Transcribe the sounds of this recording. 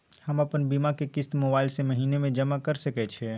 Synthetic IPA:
hɐmɐpənbiːmakekɪst̪mobaːɪlsemɐɦiːnemẽd͡ʒɐmakɐɾsɐkɛt͡ʃʰeː

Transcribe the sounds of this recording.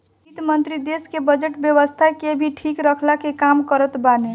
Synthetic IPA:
it̪mənt̪ɾid̪eskebəd͡ʒəʈbjəʋəst̪ʰakebʱiʈʰikɾəkʰlakekamkəɾət̪bane

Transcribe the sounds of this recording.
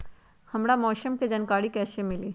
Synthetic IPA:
hɐmɽamɔːʃəmked͡ʒɐnkaːɽikɛːsemɪliː

